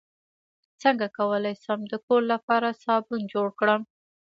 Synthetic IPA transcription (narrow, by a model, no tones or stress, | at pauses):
t͡səŋɡakawəlajsəmd̪əkoɾlapɑɾasɑbund͡ʒoɽkɽəm